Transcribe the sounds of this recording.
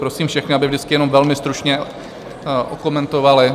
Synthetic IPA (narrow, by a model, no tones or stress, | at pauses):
pɾosiːmfʃɛxnɪabɪvd͡ʒdɪt͡skɪjɛno̞mvɛlmɪst̪ɾut͡ʃɲɛ | ʔoko̞mɛnt̪o̞valɪ